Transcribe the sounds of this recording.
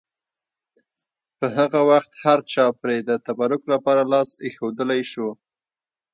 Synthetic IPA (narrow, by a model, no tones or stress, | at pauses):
pəɦaɣawaxt̪haɾt͡ʃɑpɾed̪ət̪abaɾʊklapɑɾalɑsexod̪əlajʃu